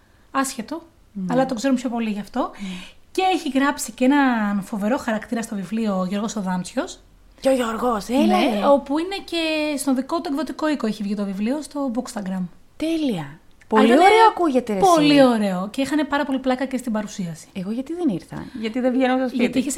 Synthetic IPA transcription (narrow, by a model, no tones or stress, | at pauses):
ɐsçe̞t̪o̞ | ɐlɐt̪o̞kse̞ɾompço̞po̞liʝɐft̪o̞ce̞eçiɣɾɐpsiceenɐnfo̞ve̞ɾo̞xɐɾɐkt̪iɾɐst̪o̞vivlio̞ʝo̞ɾɣo̞soðɐnt͡sço̞s | ceoʝoɾɣoseneo̞puine̞ce̞st̪oðikot̪ueɡðo̞t̪iko̞ikoeçivʝit̪o̞vivlio̞st̪o̞bukst̪ɐɡɾɐm | t̪eliɐ | polioɾeoɐkuʝet̪epo̞lio̞ɾe̞o̞ceixɐne̞pɐɾɐpo̞liplɐkɐcest̪ibɐɾusiɐsi̥eɣoʝɐt̪iðeniɾθɐ̰ʝɐt̪iðevʝenosɐsʝɐt̪iiçes